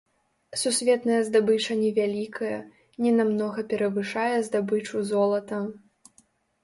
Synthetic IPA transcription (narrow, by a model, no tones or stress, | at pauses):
susʲvʲɛt̪nɐjɐzd̪abɨt͡ʂɐnʲɛvʲalʲikʰɐjɐ | nʲɛnamnɔɣɐpʲɛɾɐvɨʂajɛzd̪abɨt͡ʂuzɔlˠɐt̪ɐ